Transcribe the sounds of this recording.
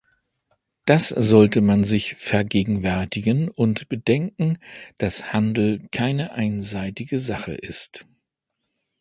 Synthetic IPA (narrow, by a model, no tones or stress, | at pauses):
d̥asz̥ɔltəmanzɪçfɛɐɡeːɡŋ̩vɛɐtɪɡənʊntb̥ədɛŋkŋ̩d̥ashandl̩kʰaɪnəʔaɪnzaɪtɪɡəzaχə̰ʔɪst